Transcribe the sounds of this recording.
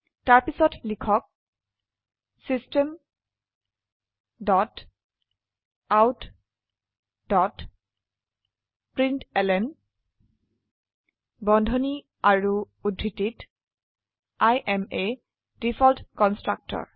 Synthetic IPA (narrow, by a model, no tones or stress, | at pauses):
taɹpisɔtlikʰɔk̚ | sistem | dɔt | awt | dɔt | pɹintɛlɛn | bɔndʱoni | aɹu | udʱːitit | ajʔɛme | d̥ifʰɔltkɔnstɹa̰k̚tɔ̰ɹ